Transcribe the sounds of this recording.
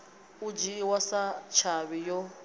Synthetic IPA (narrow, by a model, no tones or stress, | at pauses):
ud͡ʒiwasat͡ʃʰaβijɔ